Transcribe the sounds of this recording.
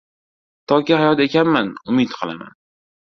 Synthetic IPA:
t̪ʰɒkʲɪhajɒt̪e̞kʲanmanʊmɪt̪qʰɨlˠa̰ma̰n

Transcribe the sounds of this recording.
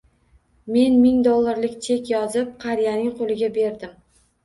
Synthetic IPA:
me̞nmɪŋd̪olˠːaɾlɪkʲt͡ʃʰe̞kʲjɒzɪp̚qʰɑɾijanɪŋqʰolˠɪɡʲabe̞ɾd̪ɪm

